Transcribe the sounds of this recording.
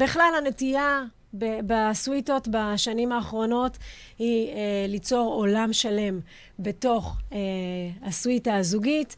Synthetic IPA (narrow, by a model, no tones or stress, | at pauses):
biχlalhanetija | bebaswito̞tbaʃanimaːχʁo̞no̞t | hilit͡so̞ʁo̞lamʃale̞m | be̞to̞χeaswitazuɡit